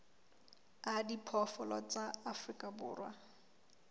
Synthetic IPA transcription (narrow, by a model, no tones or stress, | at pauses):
adipʰɔfɔlɔt͡saafrikʼabʊːrwa